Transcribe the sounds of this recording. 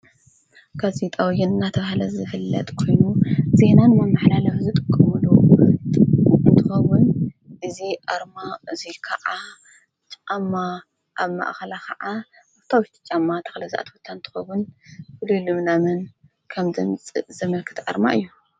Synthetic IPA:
ɡazit̪ʼawjɪnnːat̪ʰɐβahalɐzɨfɨlːɐ̰t̪ʼkʰo̞jnuze̞nanɨmamaħlalɐwzɨt̪ʼɨkʼːɨmɨlu | ɨnt̪ʰɨ̥xɐwʊn | ʔɨziʔaɾmaɨzikʰɐʕa | t͡ʃʼamːa | ʔaβma̰ʔxɐlakʰɐʕaʔaβt̪ʰawʃt̪ʰi̥t͡ʃʼamːat̪ʰɐ̥xlɐzaʔa̰t̪ʰwot̪ʰːant̪ʰɨ̥xɐwʊnfɨlulɨmnamɐn | kʰɐmdɐmt͡sʼɨzɐmɐlkʰɨ̥t̪ʰʔa̰ɾma̰ʔɨ̰jːu

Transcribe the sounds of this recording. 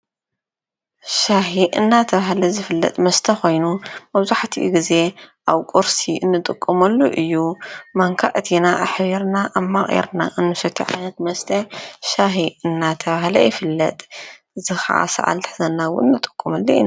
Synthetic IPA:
ʃaɦiʔɨnːat̪ʰɐβahlɐzɨfɨlːɐ̰t̪ʼmɐst̪ʰɐxo̞jnumɐβzuħat̪ʰiʔɡize̞ʔaβkʼuɾsiʔɨnːɨt̪ʼɨkʼːɐmɐlːuʔɨjːumaŋkʰaʔt̪ʰinaʔaħβiɾnaʔaβmaχʼʔḛɾna̰ʔɨnːɨsɐt̪ʰːiʕa̰jnɐt̪mɐst̪ʰɐʃaɦiʔɨnːat̪ʰɐβahlɐ̰jɪfɨlːɐt̪ʼ | zɨxa̰ʔa̰sa̰ʔa̰lt̪ʰɨ̥ħzɐnːawʊ̰ɨnːɨt̪ʼɨ̥kʼːumɐlːuin

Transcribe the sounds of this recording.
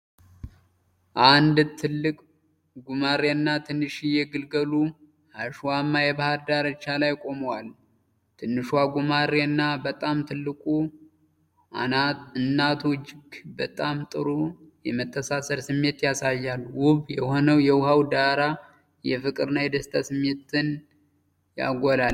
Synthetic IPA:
ʔand̪t̪ʰɨlːɨkʼ | ɡumaɾeɨnːat̪ʰɨnːɨʃijɛɡɨlɡəlu | haʃwamːajɛbahaɾd̪aɾət͡ʃːalajkʼo̞məwal | t̪ʰɨnːɨʃwaɡumaɾeɨnːabət̪ʼamt̪ʰɨlːɨkʼu | anaɨnːat̪ʰɔd͡ʒɪɡbət̪ʼamt̪ʼɨɾujɛmət̪ʰːəsasəɾsɨmːe̞t̪jasajːalːwʊβjɛho̞nəwjɛwʊhawd̪aɾa | jɛfɨkʼɨɾɨnajɛd̪əst̪ʰʼasɨmːe̞t̪ʰːɨn | ja̰ɡʷola

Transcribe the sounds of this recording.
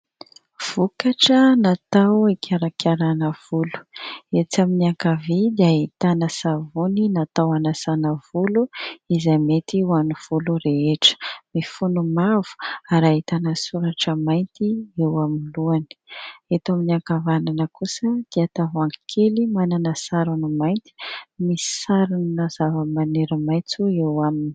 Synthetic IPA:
v̥ukaʈ͡ʂənat̪awikʰʲaɾakʰʲaɾanəv̥ulu̥et͡saminiaŋkavid̪iait̪anəsavuninat̪awanasanəv̥uluizamet̪iwaniv̥uluɾeɦeʈ͡ʂə̥mifunumavu̥aɾait̪anəsuɾaʈ͡ʂəmajnt̪iewaminluani̥et̪aminiaŋkavananəkusəd̪̥iat̪avaŋkʰelimananəsaɾanumajnt̪i̥misi̥saɾunnazavəmaneɾəmajt͡suewamini̥

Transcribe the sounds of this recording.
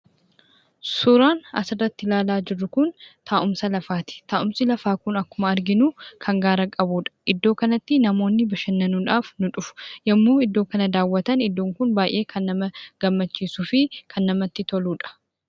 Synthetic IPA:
sʊɾaːnɐ̰sɪrɐt̪ːɪlaːlaːd͡ʒɪrːʊkʊnt̪ʰaːʔʊmsɐlɐfaːt̪ɪ̥t̪aːʔʊmsɪlɐfaːkʊnɐkːʊmɐɐɾɡɪnuːkʰɐŋɡaːɾɐkʼɐbuːᶑɐ̥ʔɪd̪ːo̞ːkɐnɐt̪ːɪnɐmo̞ːnːɪbɐʃɐnːɐnuᶑaːfnʊᶑʊfʊ̥jɐmːuːɪd̪ːo̞ːkɐnɐd̪aːwːɐt̪ɐnɪd̪ːoːŋkʊnbaːjʔe̞ːkʰɐnːɐmɐɡ̥ɐmːɐt͡ʃːiːsuːfɪkʰɐnːɐmɐt̪ːɪt̪ɔluːᶑɐ̥

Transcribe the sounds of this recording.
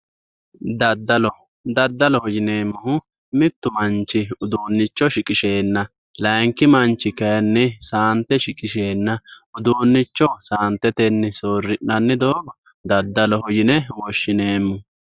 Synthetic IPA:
d̪ɐd̪ːɐlɔ | d̪ɐd̪ːɐlɔhɔjɪne̞ːmːʊhʊ | mɪt̪ːʊmɐnt͡ʃːɪʊd̪uːnːɪt͡ʃːɔʃɪkʼɪʃe̞ːnːɐ | lɐjŋkɪmɐnt͡ʃːɪkɐjɐnːɛsaːnt̪ːɛʃɪkʼɪʃe̞ːnːɐʊd̪uːnːɪt͡ʃːɔsaːnt̪ːɛt̪ɛnːɛsoːrːɪʔɐnːɪd̪oːɡɔ | d̪ɐd̪ːɐlɔhɔjɪnɛwɔʃːɪne̞ːmːʊ

